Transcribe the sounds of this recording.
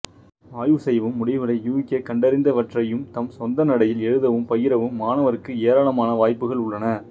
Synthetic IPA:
aːjʋɯsɛjʋɯmːʊɽɪʋɪɽɐɪjuːkːɐkɐɳɖɐɾɪnd̪ɐʋɐʈrɐjɯmt̪ɐmsɔnd̪ɐnɐɽɐjɪlɛɻɯðɐʋɯmpɐjɪɾɐʋɯmːaːnɐʋɐɾɯkːɯeːɾaːɭɐmaːnɐʋaːjpːɯɣɐɭʊɭːɐnɐ

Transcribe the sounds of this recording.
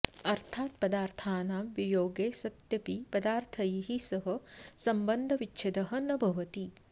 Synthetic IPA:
ɐɾt̪ʰaːt̪̚pɐd̪aːɾt̪ʰaːnaːmʋijoːɡeːsɐt̪jɐpipɐd̪aːɾt̪ʰɐjiɦisɐɦɐ̆sɐmbɐnd̪ʱɐʋitːt͡ʃʰɐd̪ɐɦɐ̆nɐbʱɐʋɐt̪i

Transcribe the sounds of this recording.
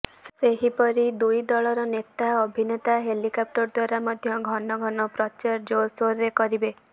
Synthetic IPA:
sseɦipɔɾid̪ujd̪ɔɭɔɾɔnet̪aobʱinet̪aɦelikɔp̚ʈɔɾd̪waɾamɔd̪ʱjɔɡʱɔnɔɡʱɔnɔpɾɔt͡ʃaɾd͡ʒosoɾːekɔɾibe

